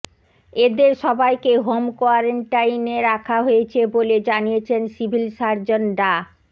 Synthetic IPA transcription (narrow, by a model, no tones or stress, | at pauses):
ed̪eɾʃɔbajkeɦomkoaɾeɳʈajneɾakʰaɦoet͡ɕʰeboled͡ʑanijet͡ɕʰensibʱilʃaɾd͡ʑonɖa